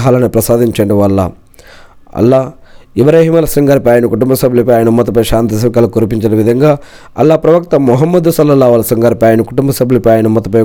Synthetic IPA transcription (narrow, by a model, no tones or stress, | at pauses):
ɦaːlɐnipɾɐsaːd̪iɲt͡ʃɐɳɖiʋɐlːa̰ | ɐ̰lːaːibɾaːɦiːmɐlɐsɐŋɡɐːɾpaːjɐnikuʈumbɐsɐbʱlupaːjɐnumːɐt̪̬upɐjʃaːnt̪is̬ɐkɐlɐkuɾupiɲt͡ʃɐnɐʋid̪ʱɐŋɡaː | ɐ̰lːaːpɾɐʋɐk̚t̪ɐmuɦɐmːɐd̪usɐlːɐlaːʋɐlɐsɐŋɡɐːɾpaːjɐnikuʈumbɐsɐbʱlupaːjɐnumːɐt̪upɐ